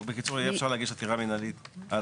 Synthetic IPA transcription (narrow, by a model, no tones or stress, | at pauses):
bekit͡suʁeefʃaʁleaɡidʃat̪iʁaminalit̪al